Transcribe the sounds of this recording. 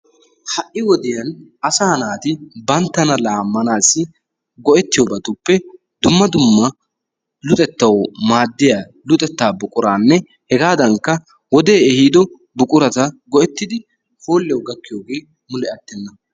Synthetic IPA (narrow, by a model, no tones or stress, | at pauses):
hɐʔʔːɪwɔd̪ɪjɐnɐsaːnaːt̪ɪbɐnt̪ːɐnɐlaːmːɐnaːsːɪ | ɡɔʔɛt̪ːɪjoːbɐt̪ʊpːɛ | d̪̥ʊmːɐd̪ʊmːɐ | lʊt̪ʼɛt̪ːɐwmaːd̪ːɪja | lʊt̪ʼɛt̪ːaːbʊkʼʊɾaːnːɛ | hɛɡaːd̪ɐŋkːɐ | wɔd̪e̞ːɛhiːd̪ɔ | bʊkʼʊɾɐt̪ɐɡɔʔɛt̪ːɪd̪ɪ | hoːlːɛwɡɐkːɪjoːɡe̞ː | mʊlɛɐt̪ːɛnːɐ